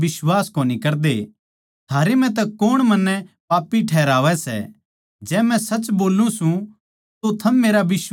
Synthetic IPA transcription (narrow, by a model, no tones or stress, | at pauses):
bɪswaːskoːnikɐɾd̪e | t̪ʰaːɾemɛ̃t̪̬ɛkoːɽ̃mɐnːɛpaːpːiʈʰɛːɾaːʋɛsɛ̰ | d͡ʒɛːmɛ̃sɐt͡ʃboːlũsũ | t̪ot̪ʰɐmːeːɾabɪs